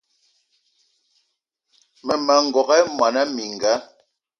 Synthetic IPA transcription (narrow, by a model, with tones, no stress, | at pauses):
mɛ˨ma˨ŋ̩˨ɡɔ˨ɣa˦mwa˨na˦mi˨ŋ˨ɡa˨˦